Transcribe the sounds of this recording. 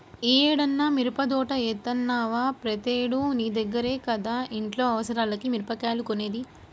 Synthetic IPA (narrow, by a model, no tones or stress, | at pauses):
eːɽɐnːaːmiɾupɐd̪ɔːʈɐeːt̪ːɐnːaːʋaːpɾɐt̪eːɽuniːd̪ɐɡːɐɾeːkɐd̪aːʔiɳʈlo̞ːɐʋɐsɐɾaːlɐkimiɾpɐkaːlukoneːd̪i